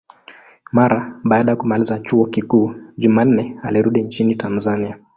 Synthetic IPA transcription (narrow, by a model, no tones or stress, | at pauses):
maɾaɓaːɗajakumalizat͡ʃuɔkikuːʄuman̩nɛaliɾuɗint͡ʃinitʰanzania